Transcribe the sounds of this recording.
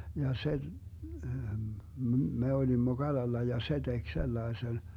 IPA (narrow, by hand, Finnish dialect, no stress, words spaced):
jɑ se m̩ me olimːo ɡ̊ɑlɑlːɑ jɑ se d̥ek selːɑesen